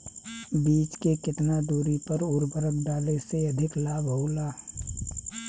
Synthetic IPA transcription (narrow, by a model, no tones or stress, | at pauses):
biːt͡ʃkekɪt̪nad̪uːɾipəɾʊɾbəɾək̚ɖaːleseɐd̪ʱɪklaːbɦoːlaː